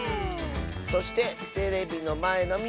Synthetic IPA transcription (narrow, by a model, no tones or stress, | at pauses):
so̞ɕi̥t̪e̞t̪e̞ɾe̞bʲino̞mae̞no̞mʲi